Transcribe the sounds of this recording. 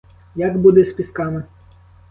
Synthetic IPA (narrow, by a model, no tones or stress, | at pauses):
jaɡbud̪ɪspʲiskɑmɪ